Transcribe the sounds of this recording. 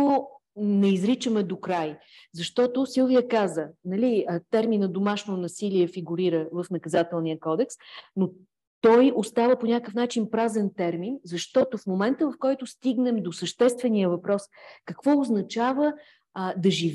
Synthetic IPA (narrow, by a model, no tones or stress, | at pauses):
onɛizɾit͡ʃəmɛd̪okɾaj | zɐʃt̪ɔt̪osilˠvijəkazənɐlit̪ɛɾminɐd̪omaʃnonɐsiliɛfiɡuɾiɾəvəfnɐkɐzat̪ɛlˠniəkɔd̪ɛksno | t̪ɔjost̪avəponʲakəfnat͡ʃinpɾazɛnt̪ɛɾminzɐʃt̪ɔt̪ofmomɛnt̪əvɐfkɔjt̪ʊst̪iɡnɛmd̪osəʃt̪ɛst̪vɛnijəvɐpɾɔskəkvɔoznɐt͡ʃavə | d̪ɐʒiv